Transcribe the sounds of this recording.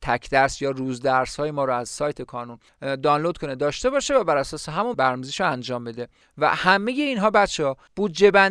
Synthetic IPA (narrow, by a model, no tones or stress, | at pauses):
t̪ʰæcʰd̪̥æɾsjɒːɾuːzd̪æɾshɒːjemɒːɾoæzsɒːjt̪ʰe̞kʰɒːnun | d̪ɒːnlod̪̥̚kʰoned̪ɒːʃt̪e̞bɒːʃe̞væbæɾæsɒːseɦæmunbæɾmuziʃoænd͡ʒɒːmbed̪e | væ̰hæme̞je̞inɦɒːbæt͡ʃʰehɒ | b̥uːd̪d͡ʒe̞bæn